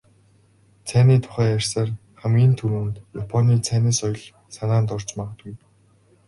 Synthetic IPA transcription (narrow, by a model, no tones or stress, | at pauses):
t͡sʰæːniːt̪ʰʊ̥χæːjær̥ʲsaːrχæmɡʲiːnt̪ʰɵɾuːnt̪japʰɔniːt͡sʰæːneːsɔjɞ̆ɮ | sanaːnt̪ɔr̥t͡ɕmaʁə̆t̪ɡuj